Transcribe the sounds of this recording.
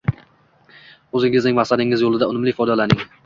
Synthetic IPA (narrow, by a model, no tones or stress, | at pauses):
ʊzɪŋɪznɪŋmasad̪ɪŋɪzjolˠɪd̪aʊnɪmlɪfɒjd̪ɒlanɪŋ